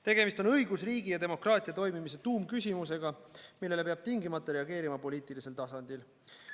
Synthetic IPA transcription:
t̪e̞ɡ̥e̞mist̪o̞nɤjɡ̥usriːɡijɑt̪e̞mo̞krɑːt̪ʲˑiɑt̪o̞jmimise̞t̪uːmkysʲimus̬e̞ɡ̥ɑmilːe̞le̞peɑb̥̚t̪iŋɡimɑt̪ˑːɑɾe̞ɑɡ̥e̞ːɾimɑpo̞liːt̪ˑilise̞lt̪ɑsɑnd̪il

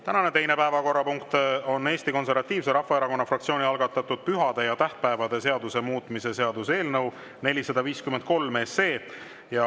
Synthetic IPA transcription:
t̪ænɑne̞t̪e̞jnepæevɑko̞rːɑpuŋkt̪o̞nːe̞ːsʲt̪iko̞nse̞ɾvɑt̪ːˑiːvseɾɑfːɑeɾɑko̞nːɑfrɑkt̪sio̞ːnʲiɑlɡ̥ɑt̪ːˑɑt̪ːˑud̪̥̚pyɦɑd̪̥e̞jɑt̪æht̪̚pæevɑd̪e̞se̞ɑd̪use̞muːt̪ːˑmise̞se̞ɑd̪use̞ːlnɤw | ne̞lʲisɑd̪ɑviːskymend̪̚ko̞lmeːse̞ː | jɑ

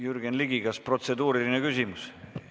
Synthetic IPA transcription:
jyrɡ̥enliɡiɡɑspro̞t̪se̞d̪uːɾilinekysʲimus

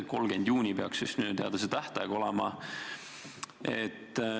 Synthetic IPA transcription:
ko̞lɡ̥e̞nd̪̥juːnʲipeɑksysnyːt̪eɑ̰d̪ɑset̪æht̪ɑjɑɡ̥o̞lɛmɑ | et̪ː

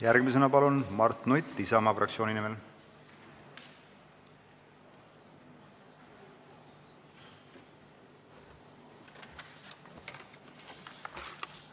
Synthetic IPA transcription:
jæɾɡ̥misenɑpɑlunmɑrt̪nujt̪ːisɑmɑfrʔɑ̰k̪̚sio̞ːninimel

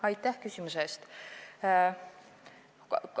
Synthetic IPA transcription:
ɑjt̪ːˑæhkysʲimusest̪ | kk

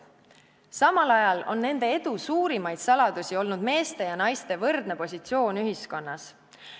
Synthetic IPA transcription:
sɑmɑlɑjɑlo̞nːe̞nd̪̥e̞e̞d̪̥usuːɾimɑjd̪̥sɑlɑd̪̥usio̞lnud̪me̞ːst̪e̞jɑnɑjst̪e̞vɤrd̪̥ne̞po̞s̬ʲit̪sio̞ːnyɦisko̞nːɑs

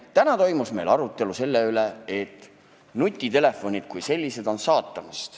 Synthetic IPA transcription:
t̪ænɑt̪o̞jmusme̞jlɑɾut̪ːˑe̞luse̞lːe̞yle̞et̪ːˑ | nut̪ʲːˑit̪e̞le̞fːo̞nʲid̪̥̚kujse̞lʲːise̞d̪̥o̞nsɑːt̪ːˑɑmɑst̪

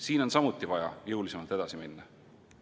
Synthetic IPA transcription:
siːno̞nsɑmut̪ːˑivɑjɑ̰jɤwlise̞mɑlt̪e̞d̪ɑsiminːɑ

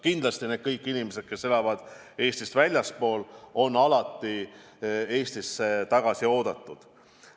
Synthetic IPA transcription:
kind̪̥lɑst̪ine̞d̪̥̚kɤjkːˑinimese̞d̪̚ke̞se̞lɑvɑd̪̥ | e̞ːsʲt̪ist̪vælʲjɑspo̞ːlo̞nːɑlɑt̪ːˑi | e̞ːst̪iset̪ɑɡ̥ɑsio̞ːd̪̥ɑt̪ˑːud̪̥

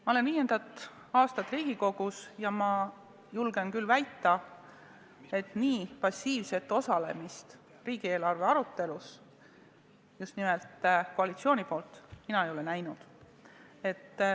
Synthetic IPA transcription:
mɑo̞le̞nviːje̞nd̪̥ɑt̪ːˑ | ɑːst̪ɑt̪ːˑriːɡ̥iko̞ɡ̥usjɑmɑ | julɡ̥enkylːvæjt̪ːˑɑ | e̞t̪ːˑniːpɑsʲːiːvse̞t̪ːˑo̞sɑle̞̰mist̪ | riːɡ̥ie̞ːlɑrve̞ɑɾut̪ːe̞lus | just̪nimelt̪koɑlit̪sio̞ːnipo̞ːlt̪minɑejo̞lenæjnud̪̥ | e̞t̪ː

